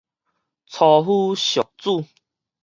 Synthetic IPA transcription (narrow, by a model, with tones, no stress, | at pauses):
t͡sʰɔ˨ɦu˦ɕjɔ˨˩k̚t͡su˥˧˨